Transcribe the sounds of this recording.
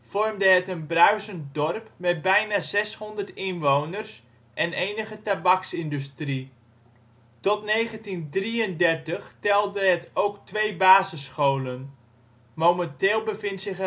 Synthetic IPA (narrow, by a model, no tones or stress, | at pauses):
fɔrmdəɦətənbrœɥzəntdɔrpmɛt̚bɛjnaːz̥ɛshɔndərtɪnʋownərs | ʔɛnejnəχətabɑksɪndystri | tɔtnejχəntindriəndɛrtəχtɛlˠdəɦətowktʋejbaːzəsχowlən | mowməntɪːlˠbəvɪntsɪχ